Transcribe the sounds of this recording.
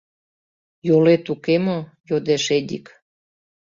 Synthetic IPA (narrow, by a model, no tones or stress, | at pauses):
jolet̪ukemo | jod̪eʃed̪ʲḭk